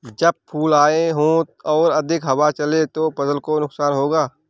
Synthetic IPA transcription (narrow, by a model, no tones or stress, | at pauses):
d͡ʒɐb̚pʰuːlaːeɦõːɔːɾɐd̪ʱɪkɦɐwat͡ʃɐlet̪opɐzəlkonʊksaːnɦoːɡaː